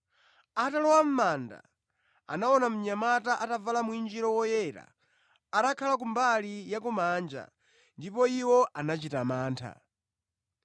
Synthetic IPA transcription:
atalɔwam̩manda̰ | a̰nawɔnam̩ɲamataʔatavalamuind͡ʒiɾɔwɔjɛɾa̰ | aɾakʰalak̬umbalijakumand͡ʒa̰ | ndipɔiwɔʔanat͡ʃitamaːntʰa̰

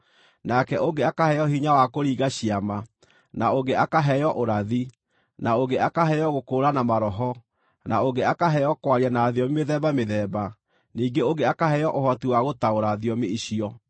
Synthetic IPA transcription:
nakɛʔoɡeakahɛjɔɦiɲawakoɾiːɣaɕiama | naoɡeakaɦɛjɔʔoɾaði | naoɡeakaɦɛjɔɣokoːɾanamaɾɔɦɔ | naoɡeakaɦɛjɔkwaɾiɛnaːðiɔmimeðɛβameðɛːba | niːɡeoɡeakaɦɛjɔʔohɔtiwaɣotaoɾaðiɔmeiɕiɔ

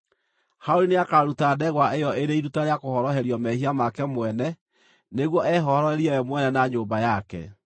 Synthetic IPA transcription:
haoɾineakaɾutadɛɣwaʔejɔeɾeiɾutaɾeakohɔɾɔɦɛɾiɔmɛhiamakɛmwɛnɛ | neɣwɔʔɛɦɔhɔɾɔhɛɾiɛwɛmwɛnɛnaɲoːmbajakɛ̰

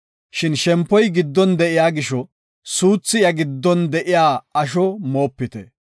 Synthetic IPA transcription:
ʃɪnʃɛmpːɔjɡɪd̪ːɔnd̪ɛʔɪjaːɡɪʃɔ | suːt͡sːɪjɐɡɪd̪ːɔnd̪ɛʔɪjaːɐʃ̬ɔmo̞ːpːɪt̪ɛ̰

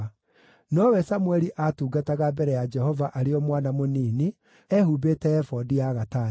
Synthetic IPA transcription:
nɔwɛsamwɛɾiʔatuːɡataɣabɛɾɛjad͡ʒɛhɔvaʔaɾeɔmwanamoniːne | ɛhubetɛɛfɔdiaɣata

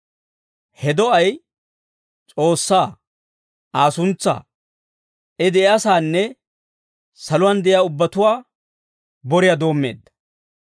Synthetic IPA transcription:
hɛd̪ɔɐj | t͡sʼo̞ːsːaː | aːsʊnt͡sːa̰ː | ʔɛd̪ɛjaːsaːnːɛ | sɐlʊwaːnd̪ɛʔɪjaːʊbːɐt̪ʊwaː | bɔɾɪjaːd̪o̞ːmːe̞̰ːd̪ːɐ̥

